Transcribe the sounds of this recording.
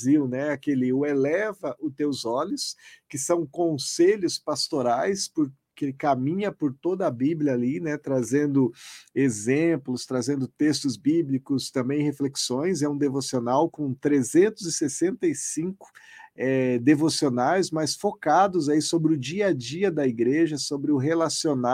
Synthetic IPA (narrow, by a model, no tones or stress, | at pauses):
ziwnɛakeliʊelɛvɐʔʊt̪ewzɔlʊskɪsɐ̃w̃kõseʎʊspast̪oɾajspʊɾ | kɪkamĩɲɐpʊɾt̪od̪ɐːbiblʲjɐːlinɛt̪ɾazẽnd̪ʊezẽplʊst̪ɾazẽnd̪ʊt̪est̪ʊzbiblikʊst̪ɐ̃mbẽj̃hefleksõj̃zɛũd̪evosionawkõt̪ɾezẽnt̪ʊzɪsesẽnt̪ɐjsĩŋkʊ̥ɛd̪evosionajsmasfokad̪ʊzaisobɾɪʊd͡ʒiɐd͡ʒiɐd̪ɐiɡɾeʒɐsobɾɪʊɦelasiona